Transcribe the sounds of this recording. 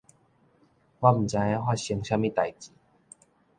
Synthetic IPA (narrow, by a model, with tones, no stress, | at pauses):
wa˦m̩˨˩t͡sa˧ja˦ɦwa˥˩ɕə˧ŋɕjã˦mĩ˦t̪a˨˩jt͡ɕi˨˦